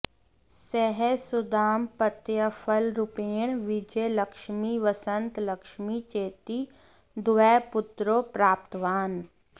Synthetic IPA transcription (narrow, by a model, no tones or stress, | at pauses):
sɛɦɛsʊd̪aːmpət̪jəfʰəlɾʊpeːɳ̃ʋɪd͡ʒeləkʃmiʋəsə̃nt̪ləkʃmit͡ʃeːt̪i | d̪ʊʋɛpʊt̪ɾopɾaːpt̪ʋaːn